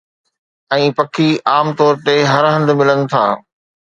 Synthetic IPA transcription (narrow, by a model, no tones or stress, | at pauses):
ɛ̃ːpɐkʰiʔaːmt̪ɔːɾt̪eɦɐɾɦɐ̃nd̪mɪlənɪ̆t̪ʰa̰ː